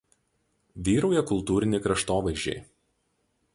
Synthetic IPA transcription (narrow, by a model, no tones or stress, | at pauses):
ʋʲiːɾoʊjɛkʊlˠt̪uːɾʲɪnʲeɪkɾɐʃt̪oːʋɐɪʒʲd͡ʒʲḛɪ